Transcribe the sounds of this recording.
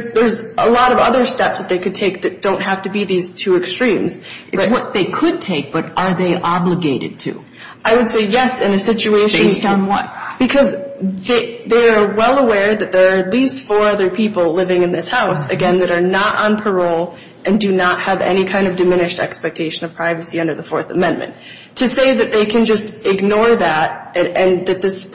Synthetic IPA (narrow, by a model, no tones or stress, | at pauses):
ðə˞zəlɔɾʌvʌðə˞stɛpsðɨt̪̚ðeɪkɨd̚tʰeɪk̚ðɨt̚d̥õʊ̃nt̚ɦæftɨbiðiz̥tʰʉɨkstɹ̥ĩmz̥ɨb̥ʌwʌt̪̚ðeɪkʰʊd̚tʰeɪk̚b̥ʌɾə˞ðeɪʔɑbləɡeɪɾɨ̰d̚tʰʉ̰ | ʔaɪwɨd̥seɪjɛsɨ̃nɨsɪt͡ʃueɪʃeɪstn̩wʌ̰tb̥ɨkʰʌzðeɪðeɪə˞wɛlˠəwɛɹðɨt̪̚ðə˞ːɨtˡlistfɔɹʌðə˞pʰipl̩ˠlɪvɪ̃ŋɨ̃nðɪshaʊsɨ̰ɡɛ̃nðɨɾə˞nəɾʔn̩pʰə˞oʊlˠ | ʔɨ̃ndɨnət̚hɨvɛ̰ñikʰãɪ̃ndʌvdɨmɪ̃ñɨʃtɛ̰kspɛk̚tʰeɪʃɨ̃nʌv̥pʰɹ̥aɪvɨsiʌ̃ndə˞ðəfɔɹθəmɛ̃nmʔɨ̰̃n | tʰɨseɪðɨt̪̚ðeɪkʰɨ̃nd͡ʒʌstɪɡnɔɹðæɾɨ̃ɨ̃nðɨt̪̚ðɪs